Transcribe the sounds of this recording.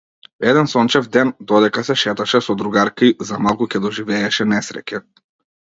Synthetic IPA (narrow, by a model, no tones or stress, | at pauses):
ɛd̪ɛnsɔnt͡ʃɛvd̪ɛnd̪ɔd̪ɛkasɛʃɛt̪aʃɛsɔd̪ɾuɡaɾkaizamalˠkucɛd̪ɔʒivɛːʃɛnɛsɾɛ̰cɛ